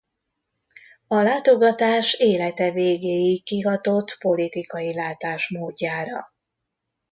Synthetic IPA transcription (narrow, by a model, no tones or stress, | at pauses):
ɒlaːt̪o̞ɡɒt̪aːʃeːlɛt̪ɛveːɡeːjikiɦɒt̪o̞t̪po̞lit̪ikɒjilaːt̪aːʃmoːɟːaːɾɒ̰